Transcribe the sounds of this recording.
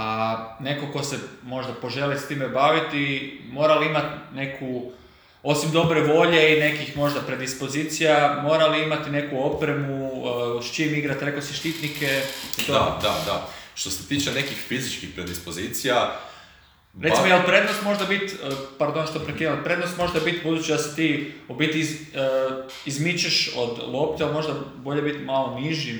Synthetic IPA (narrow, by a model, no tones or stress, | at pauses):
ane̞koko̞semo̞ʒd̪apo̞ʒe̞list̪imebaːʋit̪imo̞ːɾaliimat̪ne̞kʰu | o̞simd̪o̞bɾeʋo̞ʎe̞ine̞kixmo̞ʒd̪apɾe̞d̪ispo̞ziːt̪sijamo̞ːɾaliimat̪ine̞kuo̞pɾe̞muʃt͡ʃimiɡɾat̪ɾe̞koseʃt̪it̪nike̞t̪od̪a̰d̪a̰ʃt̪oset̪iːt͡ʃene̞kixfizit͡ʃkixpɾed̪ispozit̪sija | ɾeimojelpɾe̞d̪nost̪mo̞ʒd̪abit̪əpaɾd̪o̞nʃt̪opɾekinelpɾe̞d̪nost̪mo̞ʒd̪abit̪bud̪uːt͡ʃid̪ase̥t̪iːobit̪i | izmit͡ʃeʃo̞̰d̪lˠo̞pt̪ealmo̞ʒd̪abo̞ʎe̞bit̪maloniʒi